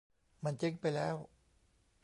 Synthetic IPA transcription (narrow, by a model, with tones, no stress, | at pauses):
ma˧˩nt͡ɕi˦˥ŋpa˧jlɛː˦˥w